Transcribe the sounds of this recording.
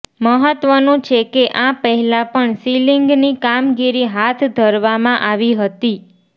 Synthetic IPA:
məɦət̪ʋənũt͡ʃʰekeʔãpəɦɛlãpəɳsiliŋɡnikamɡiɾiɦat̪ʰd̪ʱəɾʋamãʔaʋiɦət̪i

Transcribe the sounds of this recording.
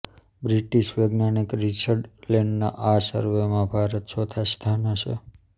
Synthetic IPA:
bɾiʈiʃʋeɡnanikɾit͡ʃʰəɾɖleɳɖna̰ʔasə̰ɾʋemãbʱaɾət̪ʃɔt̪ʰast̪ʰanəʃʰḛ

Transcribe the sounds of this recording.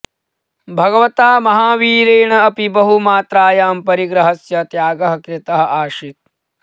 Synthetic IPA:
bʱɐɡɐʋɐt̪aːmɐɦaːʋiːɾeːɳɐɐpibɐɦumaːt̪ɾaːjaːmpɐɾiɡɾɐɦɐsjɐt̪jaːɡɐɦɐkɾɪt̪ɐɦɐ̆ʔaːʃit̪̚

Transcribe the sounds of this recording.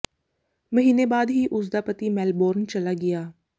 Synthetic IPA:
məɦiːneːbaːd̪ɦiːʔʊs̬d̪aːpət̪iːmɛːlboːɾnt͡ʃəlaːɡɪjaː

